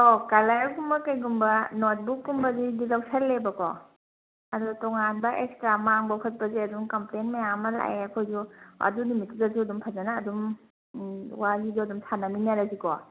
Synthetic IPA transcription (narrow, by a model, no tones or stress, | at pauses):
okalajakumbɐkajɡumbɐnot̚bukɡumbɐzidilaksallebɐkɔ | ɐdutɔŋanbɐʔekstɾamaŋbɐkʰɐt̚pɐziɐdumkɐmplenmajamɐla̰eɐkʰojzuɐ̰dunimitidazuɐdumpʰazanaːdum | waziduɐdumsʰananinaɾazikɔ